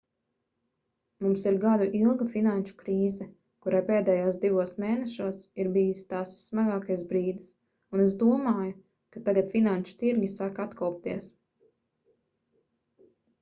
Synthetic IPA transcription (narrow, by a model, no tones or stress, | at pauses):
mumsiɾɡad̪uʔilˠɡafinanʃu̥kɾiːzɛ | kuɾajpeːd̪ɛːjuɔsd̪ivuɔsmeːnɛʃuɔsiɾbijist̪aːsːmaɡaːkajs̬bɾiːd̪is | unes̬d̪uɔmaːju | kat̪aɡat̪finanʃu̥t̪iɾɡʲisaːkat̪kɔwp̚t̪iɛs